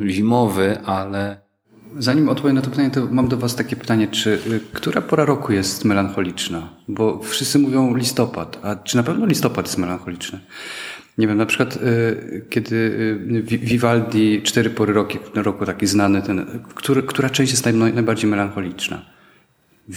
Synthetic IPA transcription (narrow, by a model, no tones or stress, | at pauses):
ʑimɔvɘʔalɛ | zaɲimɔt̪̚pɔvʲjɛnat̪ɔpɘt̪aɲɛt̪ɔmamd̪ɔvast̪akʲɛpɘ̥t̪aɲɛt͡ʂɘkt̪uɾʔapɔɾaɾɔkujɛst̪mɛlanxɔlʲit͡ʂnabɔfʂɘst̪sɘmuvʲjɔ̃w̃lʲist̪ɔpa̰t̪at͡ʂɨnapɛvnɔlʲist̪ɔpat̪jɛst̪mɛlanxɔlʲit͡ʂnɘ | ɲɛvʲjɛmnapʂɘkwat̪kʲɛd̪ɘvʲvʲivald̪ʲit͡ʂt̪ɛɾɘpɔɾɘɾɔkʲiɾɔkut̪akʲiznanɘt̪ɛnkt̪uɾkt̪uɾat͡ʂɛ̃ɕt͡ɕjɛst̪anajbaɾd͡ʑejmɛlanxɔlʲit͡ʂna̰